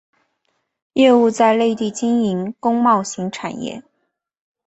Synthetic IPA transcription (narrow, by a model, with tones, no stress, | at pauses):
jɛ˥˧u˥˧t͡sa˥˧ɪle˥˧ɪt̪i˥˩t͡ɕi˥ni˧˥ŋkʊ˥ŋmɑ˥˩ʊɕi˧˥ŋʈ͡ʂʰa̰˨˩njɛ̰˥˩